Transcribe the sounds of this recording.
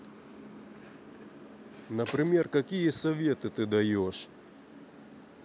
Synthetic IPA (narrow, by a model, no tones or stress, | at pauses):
nəpɾʲɪmʲe̞rkɐkʲijəsɐvʲe̞t̪ɨt̪ɨd̪ɐjoʂ